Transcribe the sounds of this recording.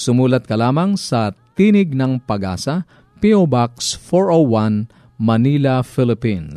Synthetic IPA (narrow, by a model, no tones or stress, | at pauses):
sʊmuːlɐt̪̚kɐlaːmɐŋsɐt̪iːnɪɡ̚nɐŋpɐɡʔa̰ːsɐ | piobaksfoɹowan | mɐniːlɐfɪlɪpin